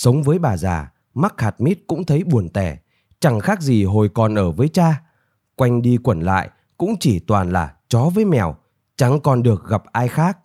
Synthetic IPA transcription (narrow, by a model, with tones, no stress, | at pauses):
sə˨˦wŋ͡mvəː˨˦jɓaː˨˩zaː˨˩ | ma˦˥k̚haː˨˩t̚mi˦˥t̚kʊ̰˧˥ŋ͡mt̪ʰə˨˦jɓu˨˩ənt̪ɛ˧˩ | t͡ɕa˧˩ŋxaː˦˥k̚zi˨˩ɦo˨˩jkɔ˨˩nʔəː˧˩vəː˨˦jt͡ɕaː˧ | kwa˧jŋ̟ɗi˧kwə˧˩nla̰ː˧˨j | kʊ̰˧˥ŋ͡mt͡ɕi˧˩t̪waː˨˩nla̰ː˨˩t͡ɕɔ˨˦vəː˨˦jmɛ̰˨˧˩w | t͡ɕa˨˩ŋkɔ˨˩nɗɨ˨˩ək̚ɣa˨˩p̚ʔaː˧jxaː˦˥k̚